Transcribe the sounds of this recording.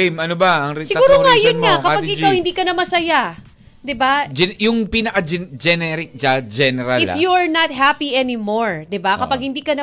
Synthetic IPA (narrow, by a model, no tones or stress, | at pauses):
jmɐnobɐɐŋɾisɪuːɾoŋajʊnŋakɐaɡʔɪkawhɪnd̪iːkɐnɐmɐsɐja | d̪ɪbad͡ʒɛjʊŋpinɐkɐd͡ʒɛd͡ʒɛnɛɾɪk̚d͡ʒad͡ʒɛnɛɾalɪfjuɐɹnɐt̪̚ɦapiɛnimoɹd̪ɪbakɐpaɡ̚hɪnd̪iːkɐnɐ